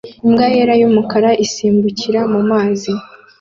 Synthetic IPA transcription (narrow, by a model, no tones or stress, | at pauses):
imɡajeɾajumukaɾaʔisiːmbuciɾamumaːzi